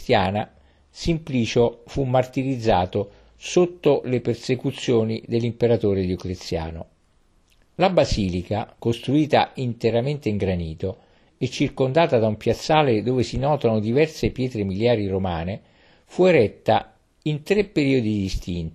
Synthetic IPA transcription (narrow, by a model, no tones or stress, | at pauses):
t̪jaːna | simpliːt͡ʃofumːart̪iɾid̪zːaːt̪o | sot̪ːolepersekut̪sːjoːnid̪elːimpeɾat̪oːɾed̪jokɾet̪sːja̰ːno | labaziːlikakost̪ɾuiːt̪a̰ʔint̪eɾament̪eiŋɡɾaniːt̪o | et͡ʃːirkond̪aːt̪ad̪aumpjat̪sːaːled̪oːvesinɔːt̪anod̪ivɛrsepjɛːt̪ɾemiljaːɾiromaːne | fueɾɛt̪ːa | int̪ɾepːeɾiːod̪id̪ist̪int̪